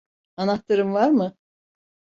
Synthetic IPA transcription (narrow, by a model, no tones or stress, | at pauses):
anat̪ːɯɾɯmvaɾmɯ